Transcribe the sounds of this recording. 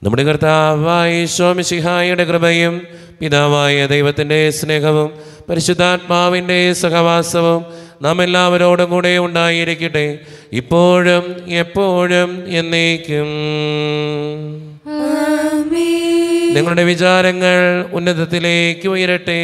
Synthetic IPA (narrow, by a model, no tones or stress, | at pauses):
nɐ̰mːuɽekɐrt̪aːʋaːjiɕwoːmiɕiɦaːjuɽekrɨbɐjum | pid̪aːʋaːjɐd̪ɐjʋɐt̪ːinde̞sne̞ːɦɐʋum | pɐɾiɕud̪ʱːaːt̪̚maːʋinde̞sukɐʋaːsɐʋum | nɐmːe̞lːaːʋɐɾo̞ːɽuŋkuːɽe̞uɳɖaːjiɾikʲːuʈːɨ | ipːo̞ːɻumepːo̞ːɻume̞nːiːkʲːum | niŋːɐɭuɽe̞ʋit͡ɕaːɾɐŋːɐɭunːɐðɐt̪ːileːkːɨʋɐjɐɾɐʈːɨ